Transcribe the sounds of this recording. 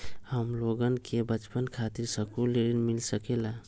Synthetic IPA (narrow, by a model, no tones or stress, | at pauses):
həmloɡənkʰebət͡ʃpənkʰat̪iɾsəkuleɾinmilsəkela